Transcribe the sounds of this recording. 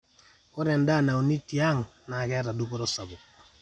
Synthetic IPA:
o˦ɾɛ˨nda˦˨na˨wni˦ti˨a˦ŋna˨kɛ˦ɾa˨du˦kɔ˦ɾɔ˦sa˨bu˨

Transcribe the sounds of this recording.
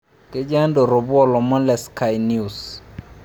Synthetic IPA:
ke˦d͡ʒa˦ndo˨ɾo˨bwɔ˦lɔ˨mɔ˦lɛ˨ska˨jnju˨s

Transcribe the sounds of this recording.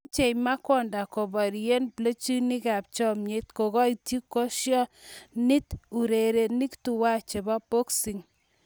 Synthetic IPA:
t͡ʃe˨jma˦kɔ˦nda˨ko˨bɔ˨ɾie˦nplo˦t͡ʃi˦ni˦ka˨p̚t͡ʃɔ˦mɲe˨˦t̪̚ko˨ɣɔ˦i˨ti˦kːɔ˦ʃjɔ˦nɪ˦t̪u˨ɾe˨ɾe˨ni˦ktu˨wa˦t͡ʃe˨ba˦po˦ksi˨ŋ

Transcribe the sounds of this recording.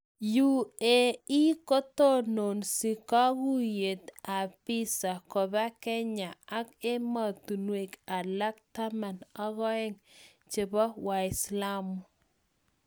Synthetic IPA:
ju˦˨e˨i˦ko˦t̪o˦no˨nsi˨ka˦ɣu˦je˨t̪a˨pɪ˦sa˨kɔ˨ba˦kɛ˦ɲa˨a˦ke˦ma˨t̪u˨nwe˨ka˨la˦k̚t̪a˦ma˨na˦ɣɔ˦ɛ˦ŋ | t͡ʃe˨bɔ˦wa˨ɪ˨sla˦mʊ˨

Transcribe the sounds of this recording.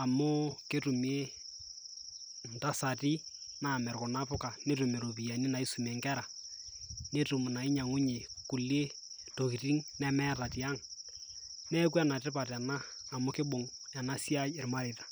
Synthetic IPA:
a˨mʊ˦ke˦tu˨mi˦e˦ | n̩˨ta˦sa˨ti˦ | na˨mɛ˨ɾkɔ˨na˦pʊ˦ka˨ne˦tu˨me˨ɾo˨pi˨a˨ni˦na˨i˦su˨m˨ɛ˨ŋɡɛ˦ɾa˨ | ne˦tu˨mu˨na˨i˦ɲa˨ŋu˦ɲe˨ku˨le˦ | to˨ki˨ti˦ŋnɛ˦mɛ˦ta˨ti˨a˦ŋ | nɛ˦k̬u˦ɛ˦na˨tɪ˦pa˨ta˨naː˦˨ | mʊ˦kɪ˦bo˨ŋ | ja˨na˦si˦a˦e˨ɾma˦ɾi˨tḁ˨

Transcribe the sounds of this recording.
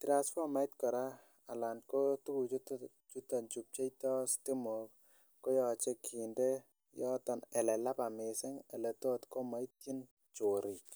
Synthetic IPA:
tɾa˨sfɔ˦ma˦i˦tkɔ˨ɾa˦ | a˨la˨nko˦tu˦ku˨t͡ʃt | t͡ʃu˦ta˨ɲt͡ʃu˨p̚t͡ʃe˦itɔ˦sti˦mo˨k | ko˦jɔ˨t͡ʃe˦kʰi˨nde˦ | jɔ˦tɔ˨nɛ˨lɛ˨la˦pa˨me˨se˦ŋɛ̰˨lɛ˨to˦tko˦ma˦i˦ti˦n | t͡ʃo˨ɾi˨k

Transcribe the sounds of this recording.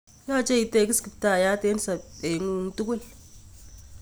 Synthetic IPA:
jɔ˦˨t͡ʃe˦i˨te˦˨ki˦ski˨pta˨ja˦te˦ni˦sa˨e˨ŋu˦ŋ˨tu˦k̬ʷwe˦˨l

